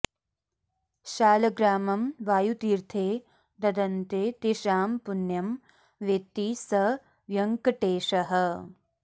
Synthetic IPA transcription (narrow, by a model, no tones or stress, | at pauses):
ʃaːlɐɡɾaːmɐmʋaːjut̪iːɾt̪ʰeː | d̪ɐd̪ɐnt̪eːt̪iʂaːmpunjɐm | ʋet̪isɐ | ʋjɐŋkɐʈeːʂɐɦɐ̆